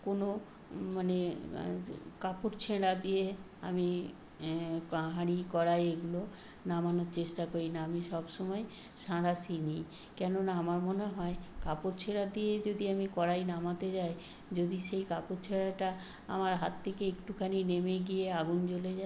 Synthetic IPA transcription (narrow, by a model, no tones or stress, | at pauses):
kono | mane | kapoɾt͡ɕʰeɽad̪ije | ami | pãɦaɽikɔɾajeɡulo | namanoɾt͡ɕeʃʈakoɾinaamiʃɔbʃɔmɔe | ʃaɽasinij | kɛnonaamaɾmoneɦɔekapoɾt͡ɕʰeɽad̪ied͡ʑod̪iamikɔɽajnamat̪ed͡ʑae | d͡ʑod̪iʃejkapoɾt͡ɕʰeɽaʈa | a̰maɾɦat̪ʰːekeekʈukʰaninemeɡijeaɡunt͡ɕoled͡ʑa